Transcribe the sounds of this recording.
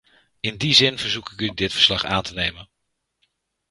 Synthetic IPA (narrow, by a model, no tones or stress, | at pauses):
ɪndizɪnvəɹzukɪkydɪtfəɹslɑχa̰ːntənejmən